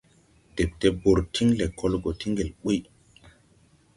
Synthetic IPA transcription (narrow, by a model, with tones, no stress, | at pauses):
d̥e˨p̚te˦bo˨ɾtʰi˦ŋle˨kʰo˦lɡo˨ti˦ŋɡe˨lɓu˦j